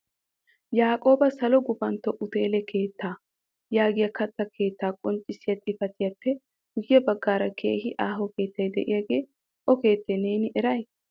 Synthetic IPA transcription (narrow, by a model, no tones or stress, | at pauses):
jaːkʼo̞ːbɐsɐlɔɡʊbɐnt̪ːɔʔʊt̪e̞ːlɛkʰe̞ːt̪ːaː | jaːɡɪjɐkɐt̪ːɐkʰe̞ːt̪ːaːkʼɔnt͡ʃʼːɪsɪjɐt̪ʼɪfɐt̪ɪjɐpːɛ | hʊjjɐbɐɡːaːɾɐkʰe̞̰ːhɪʔaːɦɔke̞ːt̪ːɐjd̪ɛʔɪ̰jaɡe̞ː | ʔɔke̞ːt̪ːɛne̞ːnɪʔɛɾɐj